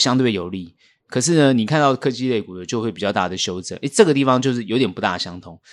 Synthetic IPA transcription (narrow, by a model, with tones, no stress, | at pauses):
ɕjɑ˥ŋt̪̬we˥˩ɪjo˨˩ʊli˥˩ | kʰɤ˨˩ʂ̬ɻ̩˥˩nə˩ni˨˩kʰa˥˧nt̪ɑ˥˩ʊkʰɤ˥t͡ɕi˥le˥˩ɪku˨˩d̪ə˦t͡ɕjo˥˧xwpi˨˩t͡ɕɑ˥˧ʊt̪a̰˥˩d̪ə˩ɕjo˥ʊt͡sɤ̰˨˩˦ʔe˥˦ʈ͡ʂɤ˥˩ɡə˩t̪̬i˥˩fɑ˦ŋt͡ɕjo˥˧ʊʂɻ̩˥˩jo˧˥ʊt̪jɛ˨˩npu˧˥t̪a̰˥˩ɕjɑ˥ŋt̪ʰʊ˧˥ŋ